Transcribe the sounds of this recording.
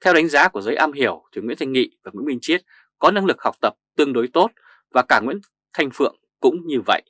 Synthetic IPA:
t̪ʰɛ˧wɗa˨˦ŋ̟zaː˨˦ku˧˩əzəː˨˦jʔaː˧mɦi˧˩əwt̪ʰwŋw̰əntʰa˧ŋŋḭ˧˨vaː˨˩ŋwḭ˧˥mï˧ŋ̟t͡ɕi˦˥ət̚ | kɔ˨˦na˧ŋlɨ˨˩k̚ha˨˩k͡p̚t̪ə˨˩p̚t̪ɨ˧əŋɗo˨˦jt̪o˦˥t̚ | vaː˨˩kaː˧˩ŋwḭ˧˥n | t̪ʰa˧jŋ̟fɨ̰˧˨əŋ | kʊ̰˧˥ŋ͡mɲɨ˧və̰˧˨jʔ

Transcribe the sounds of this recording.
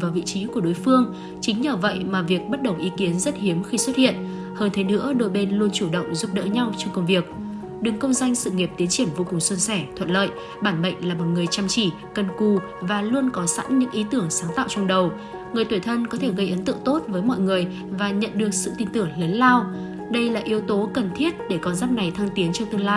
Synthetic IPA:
vaː˨˩wvḭ˧˨t͡ɕi˨˦ku˧˩əɗo˨˦jfɨ˧əŋ | t͡ɕï˨˦ŋ̟ɲəː˧˩və̰˧˨jmaː˨˩vi˨˩ək̚ɓt̚ɗə˨˩wʔi˨˦ki˨˦ənzə˦˥t̚hi˨˦əmxi˧swə˦˥t̚hḭ˧˨ən | həː˧nt̪ʰe˨˦nɨ̰˧˥əɗo˧jɓe˧nlu˧ənt͡ɕu˧˩ɗə̰˧˨wŋ͡mzu˦˥p̚ɗə̰ː˧˥ɲa˧wt͡ɕɔ˧wŋ͡mkə˧wŋ͡mvi˨˩ək̚ | ɗɨ˨˩ŋkə˧wŋ͡mzwa˧jŋ̟sɨ̰˧˨ŋi˨˩p̚t̪i˨˦ənt͡ɕi˧˩ənvo˧kʊ˨˩ŋswə˧nsɛ˧˩t̪ʰwə˧˨nlə̰ː˧˨j | ɓaː˧˩nɓə̰˧˨jŋ̟laː˨˩mɔ˨˩t̚ŋɨ˨˩əjt͡ɕaː˧mt͡ɕi˧˩ | kə˨˩nku˧˩ | vaː˨˩lu˧ənkɔ˨˦sa̰˧˥nɲɨ̰˧˥ŋʔi˨˦t̪ɨ˧˩əŋsaː˨˦ŋt̪a̰ː˧˨wt͡ɕnɗə˨˩w | ŋɨ˨˩əjt̪wi˧˩t̪ʰə˧nkɔ˨˦t̪ʰe˧˩ɣə˧jʔə˨˦nt̪ɨ̰˧˨ŋt̪o˦˥t̚vəː˨˦jmɔ̰˧˨jŋɨ˨˩əj | vaː˨˩ɲə̰˧˨nɗɨ˨˩ək̚sɨ̰˧˨t̪ï˧ŋ̟t̪ɨ˧˩əŋləː˨˦nlaː˧w | ɗə˧jlaː˨˩ʔi˨˦əwt̪o˨˦kə˨˩nt̪ʰi˦˥ət̚ɗe˧˩kɔ˧nzaː˦˥p̚na˨˩jt̪ʰa˧ŋt̪i˨˦ənt͡ɕɔ˧wt̪ɨ˧əŋlaː˧j

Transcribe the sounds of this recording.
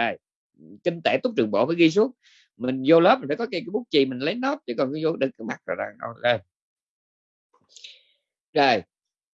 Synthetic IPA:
ə˨˩j | kï˧ŋ̟t̪e˧˩t̪ʊ˦˥k͡p̚t͡ɕɨ˨˩əŋɓo̰˧˨˩vəː˨˦jɣi˧s̬u˦˥ət̚ | mï˨˩ŋ̟zo˧ləː˦˥p̚a˨˩faː˧˩kɔ˨˦˥kaː˨˦jkaː˨˦ɓu˦˥k̚t͡ɕi˨˩mï˨˩ŋ̟lə˨˦jnɔ˦˥p̚t͡ɕɨ˨˦kɔ˨˩nkːzo˧ɗɨ̰˨˩kaː˨˦˥ma˨˩k̚zo̰˨˩za̰ː˨˩ŋə̰˧˩zə˨˩j | zəː˨˩j

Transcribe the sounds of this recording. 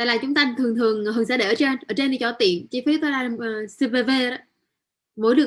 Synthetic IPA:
aː˧˨jlaː˨˩t͡ɕʊ˨˦ŋ͡mt̪aː˧t̪ʰɨ˨˩əŋt̪ʰɨ˨˩əŋɨː˨˩ŋsaː˧˥ɗe˧˩ʔəː˧˦t͡ɕe˧nʔəː˧˩t͡ɕe˧ni˧˩t͡ɕɔ˧˩˦t̪ḭ˧˨ənt͡ɕi˧˦fi˨˦˥t̪o˨˦laː˧˩˨si˧ve˧ve˧ɗɔ˨˦ | mo˧˦jɗɨ˨˩ə

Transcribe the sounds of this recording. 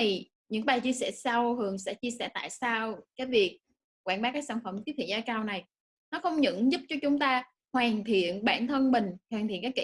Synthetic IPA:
i˨˩ | ɲɨ̰˧˥ŋ˩ɓaː˨˩jt͡ɕi˧əsɛ̰˧˩sa˧whɨ˨˩əŋsɛ̰˧˥t͡ɕi˧əsɛ̰˧˩t̪a̰ː˧˨jsaː˧wkaː˨˦jvi˨˩ək̚ | kwaː˧˩nɓaː˨˦˥kaː˨˦˥jsaː˧˩nfə˧˩m˨˩i˦˥t̪ʰḭ˧˨zaː˧kaː˧wna˨˩j | nɔ˨˦xə˧wŋ͡mɲɨ̰˧˥ŋzʊ˦˥p̚t͡ɕɔ˧t͡ɕʊ˨˦ŋ͡mt̪aː˧ | hwaː˨˩ŋt̪ʰḭ˧˨ənɓa̰ː˧˩nt̪ʰə˧nmï˨˩ŋ̟hwaː˨˩ŋt̪ʰḭ˧˨nka˨˦jkḭ˧

